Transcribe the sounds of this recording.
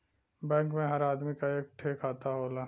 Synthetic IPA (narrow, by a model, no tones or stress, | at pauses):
bɛ̃ːŋkmẽɦɐɾaːd̪mikaeːk̚ʈʰeːkaːt̪aɦoːlaː